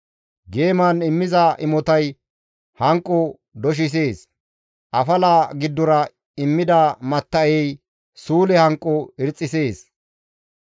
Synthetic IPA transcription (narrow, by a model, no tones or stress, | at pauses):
ɡe̞ːmanɪmːɪzɐʔɪmɔt̪ɐj | hɐŋkʼːʊ | d̪ɔʃ̬ɪs̬e̞ːs | ʔɐfɐlaːɡɪd̪ːɔɾɐ | ɪmːɪd̪ɐmɐt̪ːɐjɛj | suːlɛhɐŋkʼːʊɪɾt͡sʼːɪse̞ːs